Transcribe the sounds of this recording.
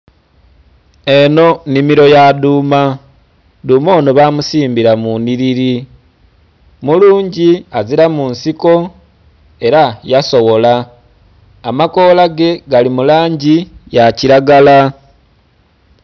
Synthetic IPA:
e̞no̞nimiɾo̞jaduːma | duːmo̞ːnoβamusiːmbiɾamuniɾiɾi | muluːɲɟiaziɾamunsiko̞ | e̞ɾajaso̞wo̞laː | mako̞ːlaɡe̞ɡalimulaːɲɟijaciɾaɡala

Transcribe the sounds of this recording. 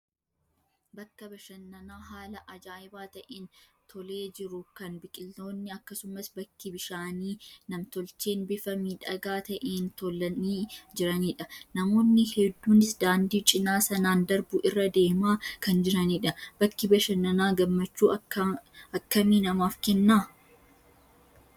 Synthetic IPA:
bɐkːɐbɐʃɐnːɐnaːɦaːlɐʔɐd͡ʒaːjɪbaːt̪ɐʔeːnt̪ʰɔle̞ːd͡ʒɪɾʊkɐnbɪkʼɪlt̪o̞ːnːɪɐkːɐsʊmɐsbɐkːɪbɪʃaːniːnɐmt̪ɔlt͡ʃeːnbɪfɐmiːᶑɐɡaːt̪ɐʔeːnt̪ɔlːɐniːd͡ʒɪɾɐniːᶑɐnɐmo̞ːnːɪhɛd̪ːuːnɪsd̪aːnd̪iːt͡ʃʼɪnaːsɐnaːnd̪ɐɾbʊʔɪrːɐd̪e̞ːmaːkɐnd͡ʒɪɾɐniːᶑɐb̥ɐkːɪbɐʃɐnːɐnaːɡɐmːɐt͡ʃːuːɐ | ɐkːɐmiːnɐmaːfkɛnːaː

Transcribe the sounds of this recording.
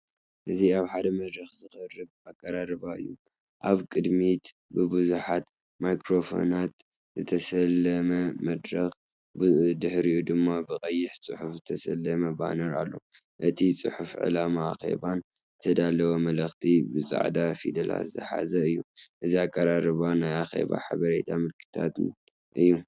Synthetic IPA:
ʔɨziaβħad̪ɐmɐd̪ɾɐxzɨxɨrɨβakʼːɐɾaɾɨβaɨ̰jːu | ʔaβkʼɨd̪mit̪bɨbɨzuħat̪ | majkɾo̞fo̰nat̪ | zɨt̪ʰɐsɐlːɐmɐmɐd̪ɾɐx | bd̪ɨħɾiud̪ɨmːabɨqʼɐjːɪħt͡sʼɨħufzɨt̪ʰɐsɐlːɐmɐba̰nɐɾa̰lːo̞̰ | ʔɨt̪ʰit͡sʼɨ̰ħufʕɨ̰lamaːxe̞̰βan | zɨt̪ʰɐd̪alɐwɐmɐlɐxt̪ʰibɨt͡sʼa̰ʕd̪afid̪ɐla̰zɨħa̰zɐɨjːuʔɨziakʼːɐɾaɾɨβanajaxe̞̰βa̰ħa̰βɐɾet̪ʰamɨlkʰɨ̥t̪ʰa̰t̪n | ʔɨjːu

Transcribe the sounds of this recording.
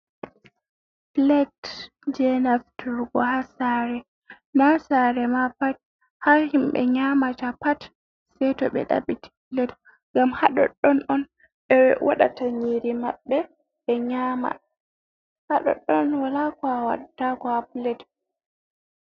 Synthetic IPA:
plɛt | d͡ʒɛnaftuɾɡɔhasaɾɛ | nasaɾɛmapat̚ | hahimɓɛ̰ɲamatapat | sɛjtɔɓɛ̰ɗa̰ɓiti̥plɛt | ŋɡamhaɗɔ̰ɗɔnɗɔn | ɓɛwʔa̰ɗa̰taɲiɾimaɓːɛ | ɓɛɲama̰ | haɗɔ̰ɗɔnwalakɔawa̰ɗatakɔaplɛt

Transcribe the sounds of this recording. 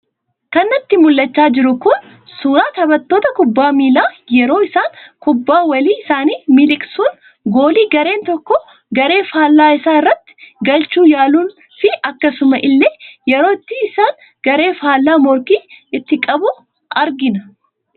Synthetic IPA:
kɐnːɐt̪ːɪmʊlːɐt͡ʃːaːd͡ʒɪɾʊkʊn | suːɾaːt̪ɐbɐt̪ːoːt̪ɐkʊbːaːmiːlaːjɛɾo̞ːɪsaːŋkʊbːaːwɐliːɪsaːniːmɪlɪkʼsuːn | ɡo̞ːliːɡɐɾe̞ːnt̪ɔkːɔ | ɡɐɾe̞ːfaːlːaːɪsaːɪrːɐt̪ːɪ̥ɡɐlt͡ʃuːjaːluːn | fɪʔɐkːɐsʊmɐʔɪlːeːjɛɾo̞ːɪt̪ːiɪsaːn | ɡ̥ɐɾe̞ːfaːlːaːmɔɾkiːɪt̪ːɪkʼɐbʊ | ʔɐɾɡɪnɐ

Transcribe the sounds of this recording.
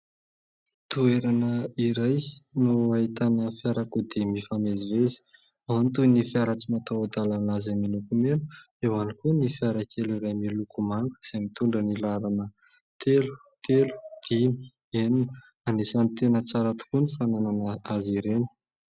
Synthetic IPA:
t̪ueɾanəiɾajnuait̪anəfjaɾakud̪emifamezivezi̥ | ant̪unifaɾat͡simat̪ad̪alanazaminukumenu̥ | ewanikunifaɾakʰeliɾajmilukumaŋkz̥emit̪uɳɖ͡ʐənilaɾanə | t̪elu̥ | t̪elu̥d̪̥ini | enin | anisanit̪enət͡saɾat̪u̥kunifanananaaziɾenə̥

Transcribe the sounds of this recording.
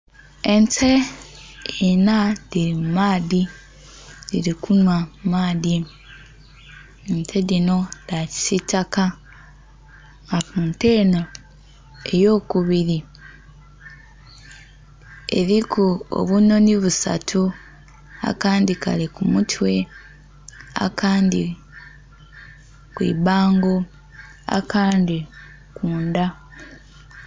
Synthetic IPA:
ent͡se | enaðiɾimmaːði | diɾikʰunwamaːði | nt͡seðino̞ðaci̥sitaka | ŋɡakunte̞no | e̞jo̞ːkuβiɾi | ḛɾikuo̰βuno̞niβusa̰tʰu | a̰kaːndikalekumutʰwe̞ | a̰kʰaːndi | kwḭːbaːŋɡo̞ | a̰kaːndi | kuːnda

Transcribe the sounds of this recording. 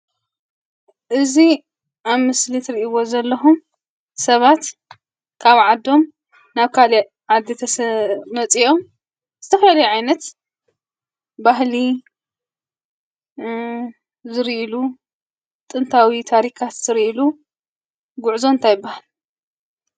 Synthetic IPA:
ʔɨzi | ʔaβmɨslit̪ʰɨɾiʔiβo̞zɐlːɐxum | sɐβat̪ | kʰaβʕad̪ːo̞m | naβkʰali | ʕad̪ːet̪ʰɐsmɐt͡sʼio̞m | z̥ɨt̪ʰɐfɐlalɐjuʕajnɐt̪ | baɦli | zɨɾʔilu | t̪ʼɨnt̪ʰawit̪ʰaɾikʰat̪z̥ɨɾiʔilu | ɡʊʕzo̞nt̪ʰajɪbːahal

